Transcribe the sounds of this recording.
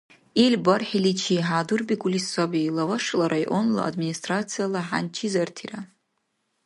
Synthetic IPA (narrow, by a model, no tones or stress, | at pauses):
ilʲbarħilit͡ʃʰiɦaːdurbiɡʷulisːabilavaʂlaɾajʔonla̰a̰dministʼrat͡sʰijalaħa̰nt͡ʃʰizartʰira